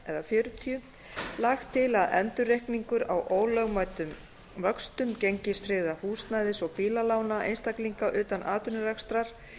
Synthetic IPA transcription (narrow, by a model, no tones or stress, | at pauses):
ɛðafjœːɾʏt̪ʰiʏ | laxt̪ʰːɪlaðɛ̰nt̪ʏɾrehkniŋkʏɾawʔoːwlœɣmaːjt̪ʏm | vœkst̪ʏmceɲcɪst̪ɾɪːðahuːst̪naːjðɪsɔɣpiːlalaːwnaʔḛjnst̪akliŋkaʔʏːt̪anʔaːt̪ʏnʏrɛkst̪ɾaɾ̥